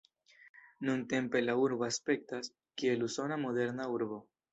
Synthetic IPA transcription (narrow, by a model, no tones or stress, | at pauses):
nunte̞mpe̞lauɾboaspe̞k̚tas | kieluso̞namo̞ðe̞ɾnauɾβo